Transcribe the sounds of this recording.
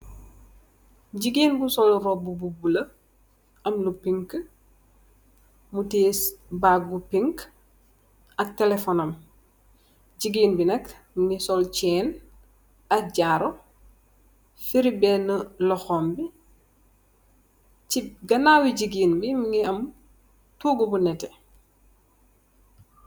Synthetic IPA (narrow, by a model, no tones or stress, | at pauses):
ɟiɡiːnbusɔluɾɔbububulɐ | ɐmlupiŋk | muteːsbaɡupiŋk | ɐk̚tɛlɛfɔnɐm | ɟiɡiːnbinɛk | miŋisɔlt͡ʃɛːn | ɐk̚ɟaːɾo | fiɾibɛːnəlɔxɔːmbi | t͡ʃiɡɐnaːwiɟiɡiːnbimiŋiɐm | tuːɡəbunɛtɛ